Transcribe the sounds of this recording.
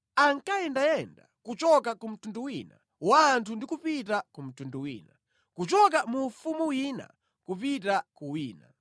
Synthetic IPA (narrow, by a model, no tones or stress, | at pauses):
aŋkajɛndajɛnda̰kut͡ʃɔkakum̩tunduwina̰ | wantʰundikupitakum̩tunduwḭːna | kut͡ʃɔk̬amufumuwina̰ | kup̬itakuwiːna̰